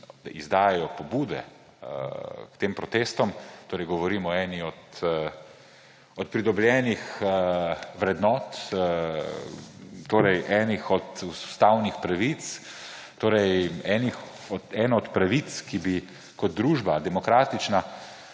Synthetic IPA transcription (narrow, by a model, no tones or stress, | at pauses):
d̪a̰ʔizd̪aːjɛjɔpɔbuːd̪ɛ̰ | kt̪empɾɔt̪eːst̪ɔmt̪oːɾɛjɡɔʋɔɾiːmɔɛːniɔt̪ | ɔt̪̚pɾid̪ɔbljɛːnixəʋɾɛd̪nɔːt̪ | t̪oːɾɛjʔɛnixɔt̪usu̥st̪awnixpɾaʋit̪s | t̪oːɾɛjɛnix | ɔɛːnaɔt̪pɾaʋit̪skibi | kɔd̪̚d̪ɾuːʒbad̪ɛmɔkɾaːt̪it͡ʃna